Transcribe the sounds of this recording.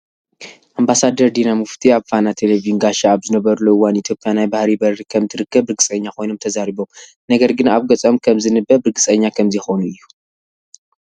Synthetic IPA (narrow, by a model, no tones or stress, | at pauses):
ʔambasad̪ɐɾd̪inamɨft̪ʰiaβfanat̪ʰelevijuŋɡaʃaːβzɨnɐβɐɾuluɨwanit̪ʰjo̞pʼːjanajbahɾibɐɾikʰɐmt̪ʰɨɾɨkːɐbɨɾɡɨsʼɐɲːakʰo̞jno̞mt̪ʰɐzaɾiβo̞m | nɐɡɐɾɡɨnaβɡɐt͡sʼomkʰɐmzɨnɨbːɐbɨɾɡɨsʼɐɲːakʰɐmzjɛxonuʔɨjːu